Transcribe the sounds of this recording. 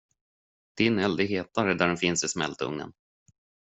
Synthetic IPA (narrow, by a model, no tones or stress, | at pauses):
d̪̥ɪnɛld̪əɦeːt̪aɾəd̪æɖɛnfɪnsɪsmɛ̰lt̪ɵ̰ŋnə̰n